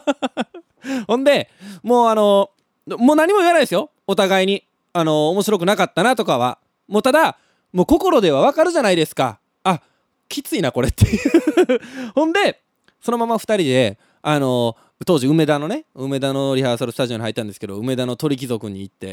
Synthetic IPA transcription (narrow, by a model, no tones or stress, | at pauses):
hõ̞nd̪e̞mo̞ːano̞ | moːnaɲ̟imoiβanaid̪esɨjo̞ | ot̪aɡaiɲ̟i | ano̞ːmo̞ɕiɾo̞k̬ɯ̟nakat̪ːanat̪o̞kaβa̰ | mo̞ːt̪ad̪a | mo̞ːko̞ko̞ɾo̞d̪e̞β̞aβakaɾɯ̟ʑanaid̪e̞sɨ̥ka̰ | a | kʲit͡sɨinako̞ɾet̪ːe̞jɯ | hõ̞nd̪e̞ | so̞no̞mamːaɸɯ̥t̪aɾʲid̪e̞ | ano̞ | t̪o̞ːʑiɯ̟me̞d̪ano̞ne̞ɯ̟me̞d̪ano̞ɾʲihaːsaɾɯ̟sɨ̥t̪aʑio̞ɲihait̪ːãnd̪eske̞d̪o̞̰ɯ̟me̞d̪ano̞t̪o̞ɾʲik̬ʲizo̞kɯ̟ɲ̟iːt̪ːe̞̰